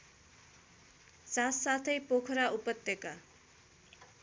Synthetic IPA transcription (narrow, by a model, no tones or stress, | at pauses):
sassat̪ʰʌjpokʰɾaupʌt̪ːeka